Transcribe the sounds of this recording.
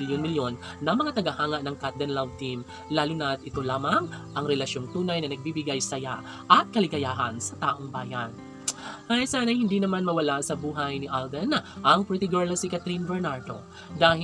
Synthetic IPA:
ɪljonmɪljo̞nːɐŋmɐŋat̪ɐɡɐhaːŋɐʔnɐŋkat̪̚d̪ɐnlavt̪im | laːlunɐt̪ɪt̪o̞laːmɐŋʔɐŋɾɛlɐʃjo̞ŋt̪uːnɐjnɐnɐɡ̚bibɪɡajsɐja | ʔɐt̪̚kɐlɪɡɐjaːɦɐnsɐt̪aːʔo̞ŋbaːjɐn | ʔajsaːnɐjhɪnd̪inɐmanmɐwɐlasɐbuːɦɐjnɪʔald̪ɛnʔɐŋpɾɪt̪ɪɡɛɹlɐsikɐt̪ɾinbɛɹnaɹt̪o̞̰ | d̪aːɦɪ

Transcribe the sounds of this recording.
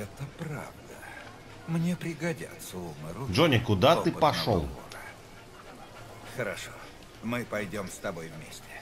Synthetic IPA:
ɛt̪əpɾa̰vd̪ə | mnʲepɾʲɪɡɐdʲa̰t̪səuməɾʊʐonʲɪkʊd̪at̪ɨpɐʂo̰lˠ | xəɾɐʂo | mɨpɐjdʲo̞mst̪ɐbojvmʲesʲtʲɪ̥

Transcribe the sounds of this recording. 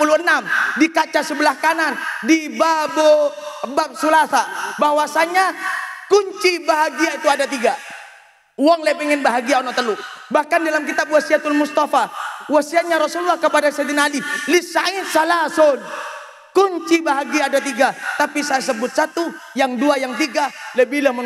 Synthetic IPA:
puluənamdikat͡ʃasəbəlahkanandibabobap̚sulaθabaɦwasaɲakuɲt͡ʃibaɦaɡiait̪uadat̪iɡa | wɔŋlepɛŋɛnbaɦaɡiaonɔt̪əlubahkandalamkit̪ap̚wasiat̪ʊlmust̪afawasiat̪̚ɲaɾɔsululːahkəpadased̪inalilisait̪salasod | kuɲt͡ʃibaɦaɡiaːdat̪̬iɡat̪apisajas̬əbʊt̪̚sat̪u | jaŋduajaŋt̪iɡaləbilamə

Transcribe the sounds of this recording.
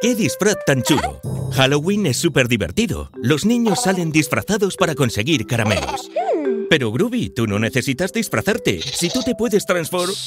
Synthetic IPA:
ke̞ðisfɾaθt̪ːant͡ʃulo̰xalowinesːupe̞ɾðiβe̞̰ɾt̪iðo̰lo̞znĩɲo̞sːale̞nd̪isfɾa̰θaðo̞spaɾako̞nse̞ɣiɾkaɾamḛno̰spe̞ɾoɣɾuβit̪uno̞ne̞θe̞sit̪azðisfɾaθaɾt̪e̞̰sit̪ut̪e̞pwe̞ðe̞st̪ɾansfoɾ

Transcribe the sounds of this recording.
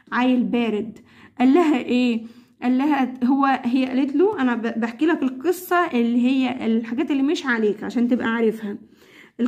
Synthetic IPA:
ʕaːjelbæːɾed̪ | ʔælːæɦæʔeː | ʔælːæɦæɦowːæɦejːæʔælet̪loʔænæbeħkiːlækelqesˤːɑʔelːiɦejːæʔelħaɡæːt̪elːiːmeʃʕaleːkʕaʃæːnt̪ebʔæʕaɾefhæ | ʔe

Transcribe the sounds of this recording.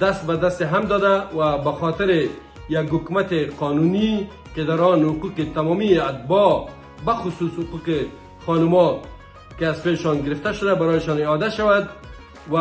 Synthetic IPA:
d̪̥ast̪̚bad̪ast̪ɪɦamd̪ɔd̪awabaxɔt̪ɪɾɪ | jaɡhʊkmat̪ɪqɔːnuni | kɪd̪aɾɔnhʊquqet̪amɔmiat̪̚bɔ | baxʊsuːshʊquqe | χɔnʊmɔ | kɪazfelɪʃɔnɡɪɾɪft̪aʃʊd̪abaɾɔjɪʃɔneɔd̪aʃawad̪ | wa

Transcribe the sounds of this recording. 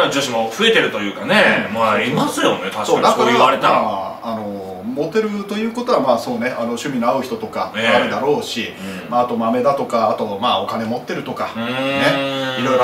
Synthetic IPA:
nod͡ʑɨːɕimo̞ɸɯ̟e̞t̪e̞ɾɯ̟t̪o̞jɯ̟ːkanemaɾʲimasɨjo̞net̪ʰasoːad̪ak̪aɾemaa | ano̞ | mo̞t̪ːe̞ɾɯ̟t̪o̞jɯ̟ːko̞t̪o̞βamaːso̞ːne̞ʔano̞ɕɨmʲino̞aɯ̟çi̥t̪o̞t̪okaeaɾed̪aɾo̞ːɕi | maːt̪o̞mame̞d̪at̪o̞kaːt̪o̞maːokane̞mo̞t̪ːe̞ɾɯ̟t̪o̞kane̞iɾo̞iɾo

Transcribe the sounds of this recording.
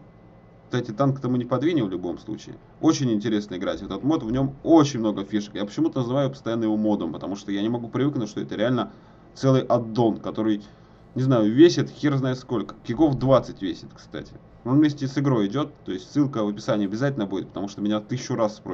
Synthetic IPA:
kst̪atʲɪt̪ankt̪ɐmunʲɪpɐd̪vʲinʲɪvlʲʊbo̞̰mslˠṵt͡ɕɪɪ̰ | o̞t͡ɕɪnʲɪnʲtʲɪɾʲe̞snəɪɡɾatʲvɛt̪ɛt̪ət̪mo̞t̪vnʲo̞mot͡ɕɪnʲmno̞ɡəfʲiʂə̥kjapə̥t͡ɕɪmut̪ənəzɨvajʊpəst̪ɐjanːəjɪvo̞mo̞d̪əmpət̪ɐmuʂt̪ojanʲɪmɐɡupɾʲɪvɨknʊtʲʂt̪oɛ̰t̪əɾʲɪalʲnə | t̪sɛlˠɨjʔɐd̪ːo̞nkɐt̪o̞ɾɨj | nʲɪznajʊvʲesʲɪt̪xʲirznajɪt̪sko̞lʲkə̥kʲɪɡo̞fd̪vat̪sɨtʲvʲesʲɪt̪kst̪a̰tʲɪ̥ | onmʲesʲtʲɪsɨɡɾo̞ɪdʲo̞t̪ːo̞ɪsʲtʲsːɨlˠkəvɨpʲɪsanʲɪjəɐbʲɪzatʲɪlʲnəbudʲɪt̪̚pə̥t̪ɐmuʂt̪omʲɪnʲat̪ɨɕʊɾasːpɾo

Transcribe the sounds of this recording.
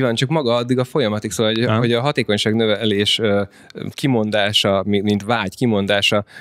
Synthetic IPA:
ivant͡ʃɒkmɒɡɒɒd̪ːiɡɒfo̞jɒmɒt̪iksoːvɒlɦoɦo̞ɟɒɦɒt̪eːko̞ɲʃaːɡnøvɛleːʃø | kimo̞nd̪aːʃɒmimint̪vaːɟkimo̞nd̪aːʃɒ

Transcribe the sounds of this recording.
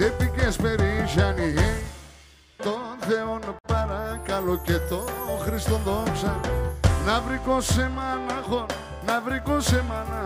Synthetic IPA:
epikespeɾiʒaniɦe | t̪onθeonapaɾakaloket̪oɣɾist̪õnd̪osanaβɾikõsemanaɣo | naβɾikosemana

